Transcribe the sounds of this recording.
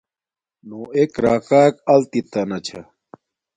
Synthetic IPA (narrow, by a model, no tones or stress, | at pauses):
noːekɾaːkaːkɐlt̪it̪ɐnɐt͡ɕʰɐ